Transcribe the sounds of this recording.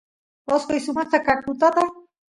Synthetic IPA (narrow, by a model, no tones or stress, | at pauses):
baskoisumat͡s̪akakut̪at̪a